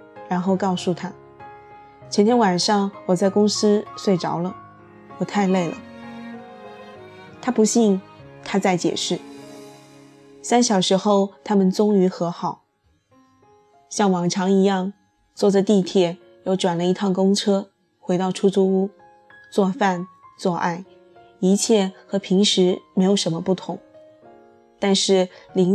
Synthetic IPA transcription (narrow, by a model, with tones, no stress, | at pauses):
ɻa˧˥nxo˥˧ʊkɑ˥˧ʊsu˨˩t̪ʰa˥ | t͡ɕʰɛ˧nt̪ʰjɛ˥nwa˨˩nʂɑ˥˩ŋwɔ˨˩t͡sa˥˩ɪkʊ˥ŋsɹ̩˥swe˥˩ɪʈ͡ʂɑ̰˧˥ʊlə˧˨ | wɔ˨˩t̪ʰa˥˧ɪle˥˩ɪlə̰˩ | t̪ʰa˥pu˧˥ɕi˥˩nt̪ʰa˥t͡sa˥˩ɪt͡ɕjɛ̰˨˩ʂɻ̩˥˩ | sa˥nɕjɑ˨˩ʊʂɻ̩˧˥xo˥˧ʊt̪ʰa˥mə˨nt͡sʊ˥ŋy˧˥xɤ˧˥xɑ˨˩˦ʊ | ɕjɑ˥˩ŋwɑ˨˩ŋʈ͡ʂʰɑ˧˥ŋi˧˥jɑ˥˧ŋ | t͡swɔ˥˩ʈ͡ʂə˨˧t̪i˥˧t̪ʰjɛ˥˩ | jo˥˩ʊʈ͡ʂwa˨˩nlə˧˦i˧˥t̪ʰɑ˥˩ŋkʊ˥ŋʈ͡ʂʰɤ˥ | xwe˧˥ɪt̪ɑ˥˩ʊʈ͡ʂʰu˥t͡su˥u˥ | t͡swɔ˥˧fa˥˧nt͡swɔ˥˧ʔa˥˩ɪ | i˧˥t͡ɕʰjɛ˥˩xɤ˧˥pʰi˧˥ŋʂɻ̩˧˥me˧˥ɪjo˨˩ʊʂə˧˥nmə˧pu˥˩t̪ʰʊ̰˧˥ŋ | t̪a˥˧nʂɻ̩˥˩li˧˥ŋ